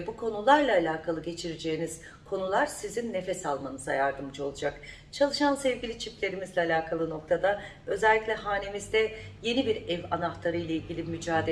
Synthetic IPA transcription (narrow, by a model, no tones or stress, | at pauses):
bukʰo̞nulˠaɾlˠaːlʲaːkʰalˠɯɟe̞t͡ʃʰiɾed͡ʒe̞ːiniz̥ | kʰo̞nulˠaɾ̥sizinːe̞fɛsalˠmanɯzajaɾd̪ɯmd͡ʒɯo̞lˠud͡ʒak | t͡ʃʰalˠɯʃansɛvɟilʲit͡ʃʰiplʲe̞ɾimizlʲɛalʲaːkʰalˠɯno̞kt̪ʰad̪a | ø̞zɛlʲːiclʲɛɦaːne̞mizd̪ɛje̞nibiɾɛvanaht̪ʰaɾɯjlˠailʲɟʲilʲimyd͡ʒaːd̪e